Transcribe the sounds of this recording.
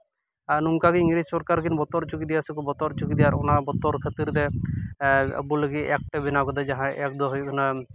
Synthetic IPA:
aɾnumkaɡiiŋɾisɔɾkaɾkinbɔt̪ɔɾt͡ʃukid̪ijasɔkubɔt̪ɔɾt͡ʃukid̪ijaɾɔnabɔt̪ɔɾkʰət̪iɾd̪ɛ | a̰buləɡiɛk̚ʈɛbinakɔd̪ɛd͡ʒaɦãʔɛk̚d̪ɔɦɔjkɔna

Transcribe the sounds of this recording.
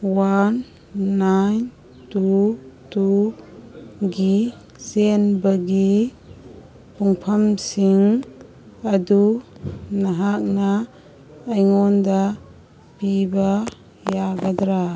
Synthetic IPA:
wanː | ajn | tutu | ɡi | senbɐɡi | puŋpʰɐmsiŋ | ɐdu | nɐɦak̚naː | jŋɔnda | piba | jaɡɐd̪ɾa

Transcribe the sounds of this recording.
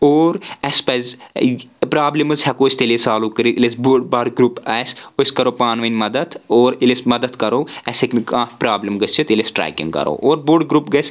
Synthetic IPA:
oːɾɐspɐz | pɾaːblɐmɨzɦʲɐkoːst̪elesaːluːkɐɾiilesbuɖbɐɽɡɾuːpɐsoskɐɾoːpaːnʋɐnʲmɐd̪ɐt̪ʰoːɾilismɐd̪ɐt̪kɐɾoːɐsiknkãːpɾaːblimɡɐst͡ʃʰit̪ilesʈɾa̰ːjkḭŋɡkɐ̰ɾo̰ːʔoːɾboɖɡɾuːpɡɐsʲ

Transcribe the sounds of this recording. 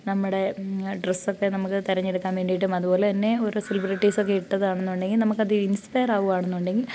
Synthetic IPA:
nɐmːuɽe̞ɖresːo̞kːe̞nɐmukːɨt̪iɾɐɲːiɾɨkːaːnmʋeːɳɖijʈ̬ːumɐðupo̞ːlet̪ɐnːe̞o̞ɾuselibɾiʈːiːso̞kːeiʈːɐðɨaːɳenːuuɳɖe̞ŋɡilnɐmukːɐðɨinspɐjɐraːʋuʋaːɳenːuuɳɖe̞ŋɡil

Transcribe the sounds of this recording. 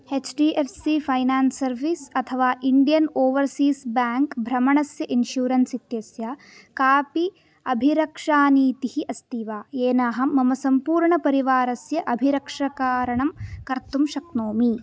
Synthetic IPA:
het͡ʃɖiːʔeɾsipʰɐjnaːnsːɐɾʋisɐt̪ʰɐʋaːʔiɳɖijɐnoːʋɐɾsiːsbaːŋkbʱɾɐmɐɳɐsjɐʔinʃjuːɾɐnsit̪jɐsja | kaːpi | ɐbʱiɾɐkʂaːniːt̪ihiʔɐst̪iʋaːeːnaːɦɐ̆ːɐmɐsɐmpuːɾɳɐpɐɾiʋaːɾɐsjɐʔɐbʱiɾɐkʂɐkaːɾɐɳɐmkɐɾt̪umʃɐk̚noːmi

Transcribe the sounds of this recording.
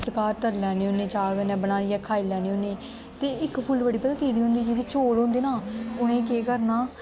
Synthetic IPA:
səkaːɾt̪əɾlɛːnẽːɦonẽːd͡ʒaːɡnɛ̃ːbənaːiːɛːkʰaːilɛːneːoːneː | t̪eːɪkpʰʊlʋəɽiːpɛd̪ãk̪eːɽiːɦʊ̃nd̪iːd͡ʒeːiːt͡ʃoːɽɦõːnd̪eːnaːʊnẽːkeːkəɾnaː

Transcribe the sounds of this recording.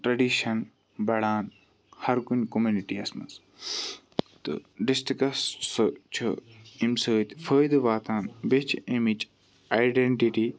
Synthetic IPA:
ʈɾɐɖiʃɐn | bɐɽaːn | hɐɾkunkomuniʈiɐsmɐ̰s | t̪ɨ̰ɖisʈɾikɐsst͡ʃʰuimsəːt̪fʰəːjd̪ɨʋaːt̪aːnbet͡ʃʰimit͡ʃ | ajɖeɳʈiʈi

